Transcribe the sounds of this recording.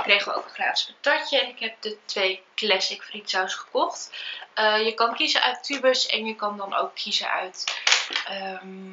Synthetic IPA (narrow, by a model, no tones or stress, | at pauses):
ɪkrejχʋəo̰wkəχra̰ːtɪ̥skətɑcəɛnɪkɦɛp̚dətʋejklɛsɪkfritsawsχə̥kɔχtəjəkɑnkizəʔœ̰ɥtybəɹsɛ̰njəkɑndɑno̰wkʰːizə̰ʔœ̰ɥt | əm